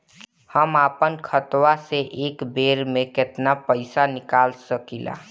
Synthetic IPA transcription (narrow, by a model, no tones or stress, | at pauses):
həmaːpənkʰət̪waseʔeːkbeːɾmẽkɪt̪napəɪsanɪkaːlsəkila̰